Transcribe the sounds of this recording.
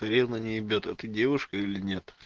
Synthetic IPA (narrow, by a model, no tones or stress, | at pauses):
ɐɾʲenənʲɪɪbʲot̪ɛt̪ədʲevʊʂkəilʲɪnʲe̞t̪